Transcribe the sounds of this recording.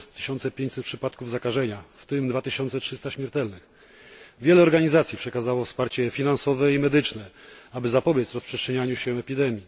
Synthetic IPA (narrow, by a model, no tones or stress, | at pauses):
st̪ːɘ̥ɕɔnt̪sɛpʲjẽɲt͡ɕsɛt̪pʂɘpat̪̚kuvzakaʐɛɲaft̪ɘmd̪vat̪ɘɕɔnt̪sɛtʂɘst̪aɕmʲjɛɾt̪ɛlnɘx | vʲjɛlɛɔɾɡaɲizat̪sʲjipʂɛkazawɔfspaɾt͡ɕɛfʲinansɔvɛimɛd̪ɘt͡ʂnɛabɘzapɔbʲjɛt̪zɾɔspʂɛstʂɛɲaɲuɕɛɛpʲid̪ɛmʲji